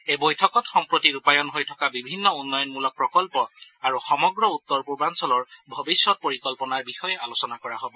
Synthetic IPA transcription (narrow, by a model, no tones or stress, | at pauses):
ebojtʰɔkɔtxɔmpɹotiɹupajɔnɦojtʰɔ̥kabibʱinːɔunːɔjɔnmulɔk̚pɹɔkɔlpɔaɹuxɔmɔɡɹɔut̪ːɔɹpuɹbansɔlɔɹbʱɔbisjɔt̚poɹikɔlpɔnaɹbixɔjɛalosɔnakɔɹaɦobɔ